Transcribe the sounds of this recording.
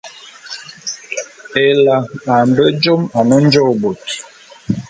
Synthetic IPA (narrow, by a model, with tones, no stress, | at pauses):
e˨la˨a˨m˨bə˦d͡ʒo˦ma˨nə˦n˦d͡ʒo˦˨bo˨t